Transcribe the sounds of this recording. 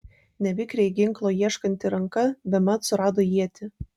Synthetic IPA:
nʲɛʋʲɪkɾʲɛɪɡʲɪŋˑklˠoːjiɛʃkɐnʲt̪ʲɪɾɐŋkɐbʲɛmɐt̪sʊɾɑːd̪oːjiɛt̪ʲɪ

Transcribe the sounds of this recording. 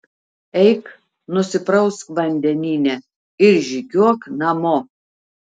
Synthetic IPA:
ɛɪk | nʊsʲɪpɾɐʊskʋɐnʲd̪ʲɛnʲiːnʲɛ | ɪɾʒʲɪɡʲuɔknɐmoː

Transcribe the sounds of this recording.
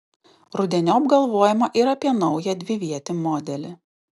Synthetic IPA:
ɾʊd̪ʲɛnʲoːɐbɡɐlˠʋoːjɛmɐʔiɾɐpʲiɛnɒʊjɛd̪ʲʋʲɪʋʲiɛt̪ʲɪmɔːd̪ʲɛlʲɪ

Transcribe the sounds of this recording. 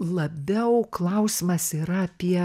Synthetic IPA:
lˠɐbʲɛʊklˠɐʊsʲɪmɐsiːɾɐɐpʲiɛ

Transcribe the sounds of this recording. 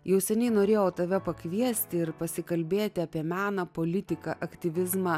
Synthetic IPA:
jɛʊsʲɛnʲɛɪnoːɾʲeːjoːt̪ɐʋʲɛpɐkʋʲiɛsʲt̪ʲɪɪɾpɐsʲɪkɐlʲbʲeːt̪ʲɪɐpʲiɛmʲæːnɐpoːlʲɪt̪ʲɪkɐʔɐkt̪ʲɪʋʲɪzmɐ

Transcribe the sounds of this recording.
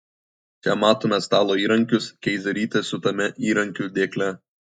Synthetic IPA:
t͡ʃʲɛmɑːt̪oːmʲɛst̪ɑːlˠoːiːɾɐŋʲkʲʊskʲɛɪzʲɛɾʲiːt̪ʲesʊt̪ɐmʲɛʔiːɾɐŋʲkʲud̪ʲeːklʲɛ

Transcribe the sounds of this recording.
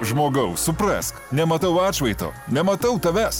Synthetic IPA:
ʒmoːɡɐʊsʊpɾɐ̰ːsknʲɛmɐt̪ɐʊɑːt͡ʃʋʲɐɪt̪o̰ːnʲɛmɐt̪ɐʊt̪ɐʋʲæs

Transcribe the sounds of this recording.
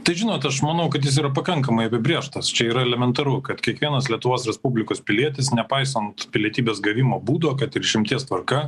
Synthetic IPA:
t̪ɐɪʒʲɪnoːt̪ɐʃmɐnɐʊkɐt̪jɪs̬iːɾɐpɐkɐŋkɐmɐɪɐpʲɪbʲɾʲeːʃt̪ɐst͡ʃʲɛiːɾɐɛlʲɛmʲɛnt̪ɐɾʊkɐt̪kʲiɛkʋʲiɛnɐslʲiɛt̪ʊʋoːsɾʲɛspubʲlʲɪkoːspʲɪlʲiɛt̪ʲɪsnʲɛpɐɪsɐnt̪pʲɪlʲiɛt̪ʲiːbʲeːsɡɐʋʲɪmoːbuːd̪oːkɐt̪ɪɾʃʲɪmʲt̪ʲiɛst̪ʋɐɾkɐ

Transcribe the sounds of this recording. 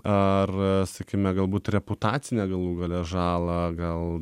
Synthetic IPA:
ɐrsɐkʲiːmʲɛɡɐlˠbuːt̪rʲɛpʊt̪ɑːt̪t͡ssʲɪnʲɛɡɐlˠuːɡɐlʲɛʒɑːlˠɐɡɐlˠ

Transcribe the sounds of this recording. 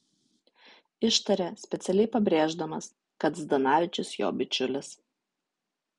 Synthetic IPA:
ɪʃt̪ɐɾʲɛsʲpʲɛt̪sʲɛlʲɛɪpɐbʲɾʲeːʒd̪ɐmɐs | kɐt̪zd̪ɐnɑːʋʲɪt͡ʃʲʊsjo̰ːbʲɪt͡ʃʲʊlʲɪs

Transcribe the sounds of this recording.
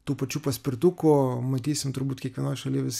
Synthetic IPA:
t̪uːpɐt͡ʃuːpɐsʲpɾʲɪt̪ukʊmɐt̪ʲiːsʲɪmt̪ʊɾbuːt̪ʲkʲikɐnɔʃɐlʲiʋɪs

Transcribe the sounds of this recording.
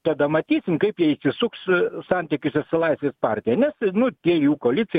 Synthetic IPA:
t̪ɐd̪ɐmɐt̪ʲiːsʲɪmkɐɪpjiɛɪsʲɪsʊkssɑnʲt̪ʲɪkʲʊsʲɛsɪlˠɐɪsʲʋʲeːspɑrʲt̪ʲɪjɛnʲɛsnʊt̪ʲiɛjuːkoːlʲɪt͡s̪ʲsʲɪ

